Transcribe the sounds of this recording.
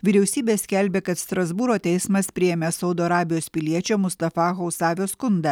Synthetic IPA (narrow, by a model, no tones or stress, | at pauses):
ʋʲɪɾʲɛʊsʲiːbʲeːsʲkʲɛlʲbʲeːkɐt̪st̪ɾɐzbuːɾoːt̪ʲɛɪsmɐspʲɾʲɪjemʲesɒʊd̪oːɐɾɑːbʲɪjoːspʲɪlʲiɛt͡ʃʲomʊst̪ɐfɑːɣoʊsɑːʋʲoːskʊnd̪ɐ